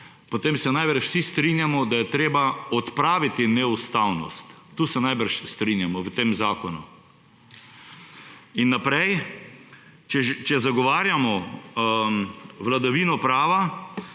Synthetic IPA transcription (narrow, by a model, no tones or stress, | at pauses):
pɔt̪eːmsɛnajbəɾʃwsist̪ɾinjamɔd̪ajɛt̪ɾeːbaɔt̪pɾaːʋit̪inɛust̪awnɔ̰st̪ːuːsɛnajbəɾʃst̪ɾinjamɔwt̪eːmzaːkɔnṵ | inːapɾɛj | t͡ʃɛt͡ʃɛzaɡɔʋaːɾjamɔ | ʋlad̪aʋiːnɔpɾaːʋa